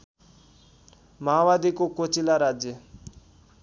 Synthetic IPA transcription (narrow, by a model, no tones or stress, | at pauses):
maːʋad̪ikokot͡ʃilaɾad͡ʒjə